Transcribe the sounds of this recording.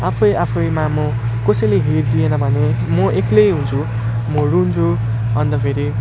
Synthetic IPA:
apʰʌjapʰʌjmamʌ | kʌsʌjleɦerd̪ijenʌbʱʌnemʌʔeklejɦunt͡sʰu | mʌɾunt͡sʰu | ʌnt̪ʌpʰeɾi

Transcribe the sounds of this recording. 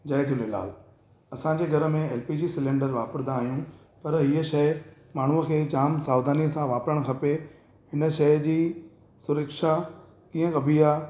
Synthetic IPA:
d͡ʑɐjt̪ʰĩlela̰ːl | ɐsãd͡ʑeːɡʱɐɾə̆mẽɛːlpiːd͡ʑiːsɪlẽːɳɖəɾʋaːpəɾnd̪aːɦijũ | pɐɾɦiːəʃɐɪ | maːɳ̤uəkʰeːt͡ɕaːmsaːʋd̪aːniəsãʋaːpɾəɽ̃kʰɐpe | ɦɪnə̆ʃɐjd͡ʑiː | sʊɾəkʃa | kiːə̃kɐbʱiaː

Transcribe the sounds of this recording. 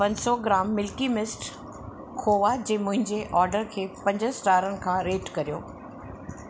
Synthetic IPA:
pɐ̃ɲsɔɡɪɾaːmːɪlkimɪsʈ | kʰoːʋad͡ʑeːmʊ̃ɦɪ̃ɲd͡ʑeʔɔːɾɖəɾkʰeːpɐ̃ɲd͡ʑəsʈaːɾənɪ̆kʰãːɾeːʈkɐɾijo̰ː

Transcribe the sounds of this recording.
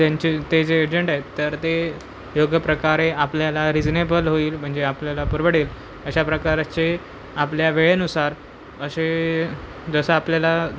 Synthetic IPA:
t̪jaɲt͡ɕit̪ed͡zeːd͡ʑəɳʈaɦet̪ːəɾt̪e | joɡjəpɾəkaɾeapljalaɾid͡znebəlɦoiːlm̤əɳd͡zeapljalapuɾʋəɽiːl | əɕapɾəkaɾat͡ɕe | apljaʋeɭenusaɾ | əse | d͡zəsəapljala

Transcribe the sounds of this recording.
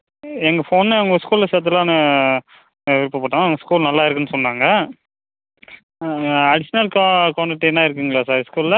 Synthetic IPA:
ɛŋɡɐfoːnːɯɐŋɡɐskuːlɪlɐseːɾt̪̬ːɯlːãːnɯ | ʋɪɾɪpːɐpːɐːʈːãːɐʋɐŋɡɐskuːlnɐlːaːɪɾɯkːɯnːɯsɔnːaːŋɡɐ | ɐɽɪsɐnɐlkːkoːɳɖɪʈːenːaːɪɾɯkːɯŋɡɐɭaːsaːɾskuːllɐ

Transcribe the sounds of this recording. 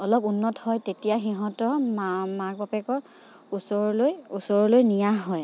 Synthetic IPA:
ɔlɔpunːɔthɔjtetijaxiɦɔ̃tɔmmak̚bɔpɛkɔɹ | usɔɹɔlojusɔɹɔlojnijaɦɔj

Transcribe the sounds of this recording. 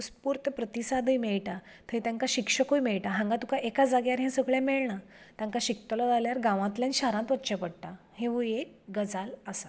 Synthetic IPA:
uspuːɾt̪əpɾət̪isad̪ʱəjmeɭʈa | t̪ʰəĩt̪jãŋkaɕikʂəkujmeɭʈaɦãŋɡat̪ũkaʔekad͡zaɡjaɾɦɛ̃səɡɭjãmeɭɳa | t̪jãŋkaɕik̚t̪əlɔd͡zaljaɾɡãʋãt̪ljãnɕaɾãnt̪ʋətːt͡ɕepəɽt̪a | hẽʋəjek̚ | ɡəd͡zaləsḁ

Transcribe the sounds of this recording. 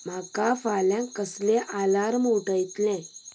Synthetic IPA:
m̤akafaljãkːəslẽʔalaɾmuuʈəjt̪lɛ̃

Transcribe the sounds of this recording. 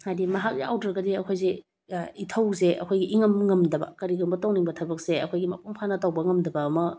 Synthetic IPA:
hajdimɐɦak̚zeawdɾɐɡɐdiɐkʰojze | itʰɐwzeʔɐ̰kʰojɡiʔiŋɐmŋɐmdɐbɐ̰kɐɾiɡɐmbɐtowniŋbɐtʰɐbɐk̚seɐkʰojɡimɐ̰pʰumpʰanɐtɐwbɐŋɐmdɐbɐːmɐ

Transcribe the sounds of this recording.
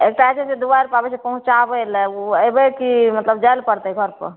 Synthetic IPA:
ek̚ʈat͡ʃʰɛsed̪ubaɾpabesepəɦũt͡ʃabəlɛəbəkimət̪ləb̚d͡ʒajlpəɾt̪əɡʱəɾpə̰

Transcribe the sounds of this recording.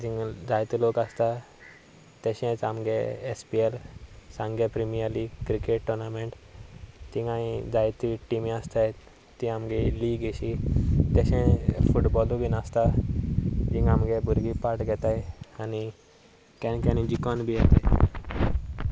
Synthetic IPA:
d͡ʒĩŋɡd͡zajt̪ilokast̪a | t̪ɛɕɛ̃t͡samɡeespielsãŋɡepɾimijəɾliːɡkɾikeʈʈːuɾnamẽɳʈ | t̪ikãĩd͡zajt̪iʈimĩəst̪aj | t̪ĩamɡɛliːɡeɕit̪ɛɕɛ̃fuʈbɔlubinast̪a | d͡ʑĩŋɡamɡebuɾɡipaɾʈɡʱɛt̪ajani | kɛnkɛ̃nĩd͡ʑikɔnbʱijɛt̪e

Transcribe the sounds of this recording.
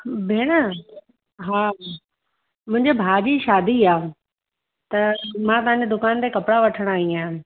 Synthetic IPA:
bʱeːɽ̃ə | ɦaː | mʊ̃ɦɪ̃ɲd͡ʑebʱaːd͡ʑiʃaːd̪iaːɦũ | t̪ɐmãt̪ɐʋãɲd͡ʑed̪ʊkaːnt̪ekɐpɽaʋɐʈʰəɽ̃aɦĩã

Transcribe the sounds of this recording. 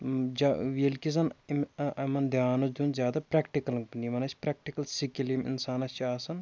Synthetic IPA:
d͡ʒaʋilkizɐnmɐmɐnd̪ʱjaːnusd̪uːnzʲjaːd̪apɾɛːkʈikɐlŋbɐnimɐnɐt͡ʃʰʲpɾɛːk̚ʈikɐlsikilimḭnsaːnɐst͡ʃʰiaːsɐn

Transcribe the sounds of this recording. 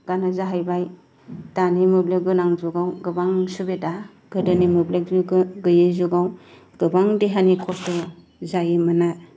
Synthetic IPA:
ɡ̥anazaɦajbaj | danimubleɡɯnaŋzuɡawɡɯbaŋsubeta | ɡ̥ɯdɯnimɯblekɡɯjezuɡaw | ɡ̥ɯbaŋdeɦanikʰɔstɔ | zajemɯna

